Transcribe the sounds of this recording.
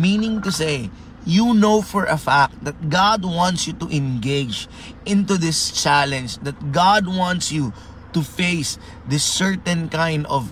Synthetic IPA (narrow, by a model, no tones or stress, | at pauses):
mĩnɪ̃ŋt̪use | junoʊfɔɹʔɐfæk̚t̪̚d̪ɐt̪̚ɡad̪̚wɑ̃nt̪sjut̪uʔɛ̃nɡeɪd͡ʒ | ʔɪ̃nt̪uðɪst͡ʃælɛ̃nd͡ʒd̪ɐt̪̚ɡad̪̚wɑ̃nt̪sju | t̪ufeɪs | ðɪsːɛɹt̪ɛ̃nkãɪ̃nd̪ɔv